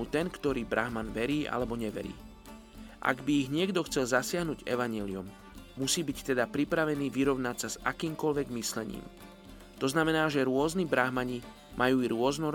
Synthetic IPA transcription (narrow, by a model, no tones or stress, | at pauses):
ut̪ɛnkt̪ɔɾiːbɾaɦmanʋɛɾiːʔa̰lɛbɔɲɛʋɛ̰ɾḭː | ʔa̰ɡbiːɣɲɪɛɡd̪ɔxt͡sɛlzasɪaɦnuɟɛ̰ʋaɲɪɛliumː | usiːbict̪ɛd̪apɾipɾaʋɛniːʋiɾɔʊnacsazakiːmkɔlʋɛɡmislɛɲḭːm | t̪ɔznamɛnaːʒɛɾʊɔznibɾaɦmaɲi | mʔajuːiɾʊɔznɔ